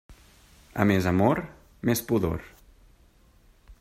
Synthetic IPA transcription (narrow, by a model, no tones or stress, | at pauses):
ə̰mezəmoɾ | mespuðo̰ɾ